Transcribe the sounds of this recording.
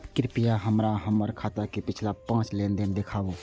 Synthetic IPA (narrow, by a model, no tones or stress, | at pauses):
kɪɾpɪjaɦəmɾaɦəməɾkʰaːt̪akepɪt͡ʃʰlapãːt͡ʃleːnd̪ɪnd̪eːkʰaːoː